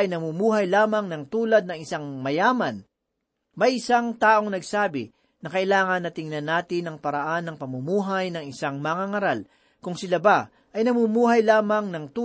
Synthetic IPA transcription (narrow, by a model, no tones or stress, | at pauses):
ɐjnɐmumuːɦɐjlaːmɐŋnɐŋt̪uːlɐd̪̚nɐŋɪsaŋmɐjaːmɐn | mɐjʔɪsaŋt̪aːʔo̞ŋnɐɡsaːbɪ | nɐkɐʔɪlaːŋɐnːɐt̪ɪŋnɐnːaːt̪ɪnːɐŋpɐɾɐʔanːɐŋpɐmumuːɦajnɐŋɪsaŋmɐŋaŋɐɾal | kʊŋsɪlaba | ʔɐjnɐmumuːɦɐjlaːmɐŋnɐŋt̪uː